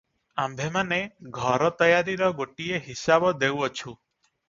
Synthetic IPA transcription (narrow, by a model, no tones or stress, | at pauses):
ambʱemaneɡʱɔɾɔt̪ɔjaɾiɾɔɡoʈieɦisabɔd̪ewɔt͡ʃʰu